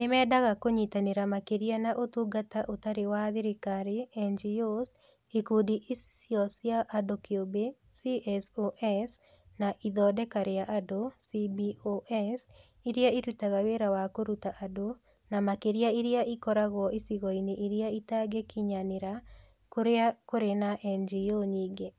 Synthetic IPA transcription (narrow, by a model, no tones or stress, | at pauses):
nɪmɛdaɣakoɲitaneɾamakeɾianaʔotuɡataʔotaɾewaðɪɾekaɾeɛnd͡ʒios | ekodiʔissjɔsjaʔːdokiobe | siʔɛsoʔɛs | naʔiðɔdɛkaɾejaʔadosibioʔɛs | iɾiaitutaɣaweɾawakoɾutaʔado | namakeɾjaiɾjaʔikɔɾaɣɔʔisiɣɔineʔiɾjaitaɡekiɲaneɾa | koɾeakoɾenaʔɛnd͡ʒioɲiːɡe